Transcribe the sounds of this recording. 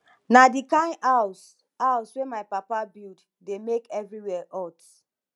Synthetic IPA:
nadikãas | awswemajpapabild | demekɛvɹiwɛʔɔt

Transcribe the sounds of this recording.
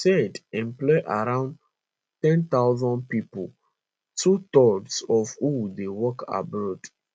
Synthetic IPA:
sɛdɛ̃mplɔʔaɾãʊ̃nd | tɛ̃nt̪aʊzɔ̃ndpipl | tʰut̪ɔdsɔvhudewɔkʰa̰bad

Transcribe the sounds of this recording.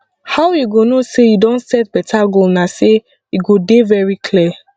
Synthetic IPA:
hawjuɡonosejudɔ̃nsɛt̚bɛtʰaɡolnase | juɡodevɛɹikʰli

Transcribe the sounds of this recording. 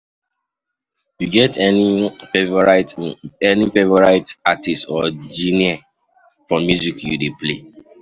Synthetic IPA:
juɡɛt | vɔɹaɪtɛnifevɔɹaɪtatistɔd͡ʒĩnia | fɹɔ̃mjuzikjṵdeple

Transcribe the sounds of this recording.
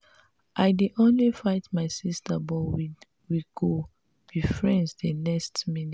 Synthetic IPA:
ʔaɪdiʔõnlifaɪtmaɪsistabɔwi | wiɡo | b̥ifɹɛ̃nsdənɛkstmini

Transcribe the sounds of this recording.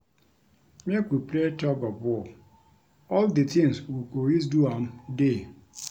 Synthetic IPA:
mekʷupletɔbabɔ | ɔlditɪŋswukois̬duam̩de

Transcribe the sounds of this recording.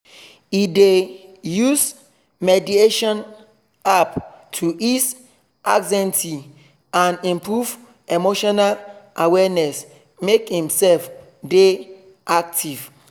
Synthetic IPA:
idejus | mɛdieʃɔ̃n | aptʰuis | ʔaɡzɛ̃ntʰi | ãnĩmpʰɹuv | emoʃɔnalʔawɛnɛs | mekhĩmsɛlf | de | ʔak̚tʰiv

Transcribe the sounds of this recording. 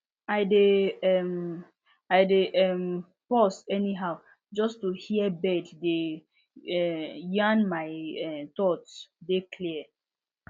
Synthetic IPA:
aɪdeɛm | aɪdeʔɛm | pɔsɛniɦaʊ | d͡ʒɔstuhiɛbɛdde | ɛjãnmaɪɛt̪ɔtsdekʰliɛ

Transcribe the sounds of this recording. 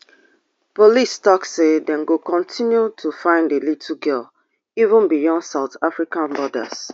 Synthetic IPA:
polistɔksedɛ̃nɡokɔ̃ntʰĩnjutʰufãɪ̃ndelitʰuɡɛl | ivũnbijɔ̃ndsaʊtafɹikãnbɔda̰s

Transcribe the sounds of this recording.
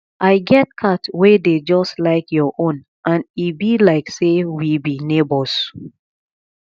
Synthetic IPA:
ʔaɪɡɛt̚kʰatweded͡ʒɔstlaɪkʰjɔʔõn | ʔãnibilaɪksewibinebɔs

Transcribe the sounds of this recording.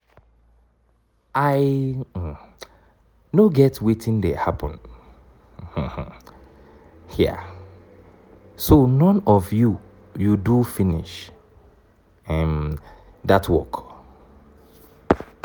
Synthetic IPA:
aɪ | noɡɛtwetʰɪ̃ndehapə̃n | h̩h̩ | hɛ | sonɔ̃nɔvju | judufĩnḭʃ | ɛ̃m | datwɔk

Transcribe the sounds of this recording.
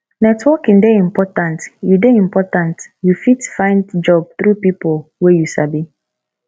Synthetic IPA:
nɛtʰwɔkĩndeĩmpɔtãntjudeĩmpɔtãntjufitfãɪ̃ndd͡ʒɔb̚θɾupipolwejusabi

